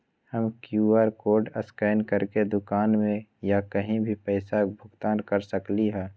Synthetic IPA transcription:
həmkjuaːɾkoːɾɖəskaːnkəɾked̪ʊkaːnmẽjakəɦĩbʱipɛːsabʱʊɡt̪aːnkəɾsəkliɦɛː

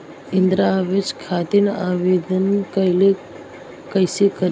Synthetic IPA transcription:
ind̪ɾaʋed͡ʒkʰat̪inaʋed̪ənkəjle | kəjsikəɾ

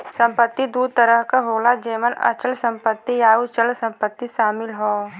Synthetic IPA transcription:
sə̃mpət̪ːid̪uːd̪̚t̪əɾəɦkaɦoːlad͡ʒeːmənə̰t͡ʃəlsə̃mpət̪ːijaːut͡ʃəlsə̃mpət̪ːiʃaːmɪlɦoː

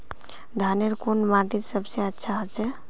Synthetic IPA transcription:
d̪ʱaneɾkonmaʈit̪səbseətːʃʰaɦət͡ʃɛ

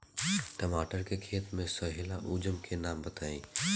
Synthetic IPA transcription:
ʈəmaːʈəɾkekʰeːt̪mẽsəɦɪlaʔud͡ʒəmkʰenaːmbət̪aːḭ̃

